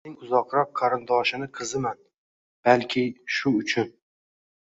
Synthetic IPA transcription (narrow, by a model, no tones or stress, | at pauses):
ɪŋʊzɒqɾɒq̚ːʰɑɾɪnd̪ɒʃɪnɪqʰɨzɪman | b̥alkʲʰɪʃʊʊt͡ʃʰʊn